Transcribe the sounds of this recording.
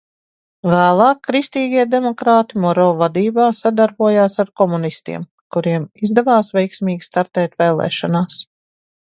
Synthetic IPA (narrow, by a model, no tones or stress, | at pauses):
væːlˠɑːkːɾist̪iːɡiɛd̪emɔkɾaːt̪imɔɾɔːvad̪iːbaːsad̪aɾbuɔjaːsaɾkɔmunist̪ḭɛm | kuɾiɛmizd̪ɛvaːsvɛjksmiːɡʲi̥st̪aɾt̪ɛːt̪vɛːlˠɛ̰ːʃɔnaːs